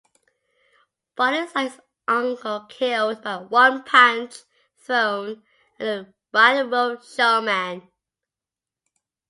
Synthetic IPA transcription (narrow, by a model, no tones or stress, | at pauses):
b̥ʌɾəzaɪs | ʔʌ̃ŋkʰəlˠkʰɪlˠdbaɪwʌ̃npʰãnt͡ʃ | θɹõʊ̃n | ə̃nə | ɹaɾəbəlˠʃɛmæ̃n